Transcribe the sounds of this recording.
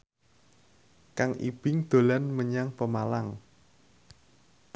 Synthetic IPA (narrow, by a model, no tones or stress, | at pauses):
kaŋʔḭb̥ɪŋd̪̥o̤lanməɲaŋpəmalaŋ